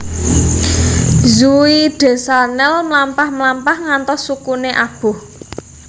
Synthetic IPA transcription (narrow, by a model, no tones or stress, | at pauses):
zuiɖ̥e̤sanɛlmlampahmlampahŋant̪ɔsːukuneʔab̥ʊ̤h